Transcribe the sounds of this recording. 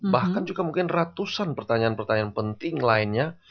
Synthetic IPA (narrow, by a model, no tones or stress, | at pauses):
bahkand͡ʒuɡamuŋkɪnrat̪usanpərt̪aɲaːnpərt̪aɲanpənt̪ɪŋlaɪnɲa